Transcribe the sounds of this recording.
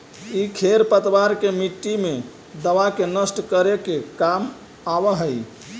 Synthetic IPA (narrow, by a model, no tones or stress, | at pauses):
ikʰeɾpət̪baɾkemiʈːime | d̪əʋakenəsʈkəɾekekam | abəɦəj